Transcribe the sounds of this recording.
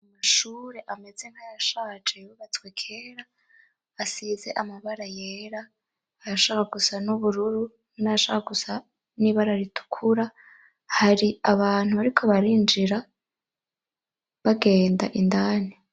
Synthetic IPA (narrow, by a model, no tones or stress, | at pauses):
amaʃuːɾe̞ʔame̞ze̞ŋhajaʃaːd͡ʒejuβat͡swe̞kʰe̞ːɾaː | size̞ʔamaβaɾaje̞ɾaː | jaʃokaɡusanuβuɾuɾu | najaʃokaɡusa | niβaɾaɾitʰu̥kʰuɾa | haɾiaβaːn̥huβaɾikʰo̞βaɾind͡ʒiɾa | βaɡe̞ːnda̰ʔindaːni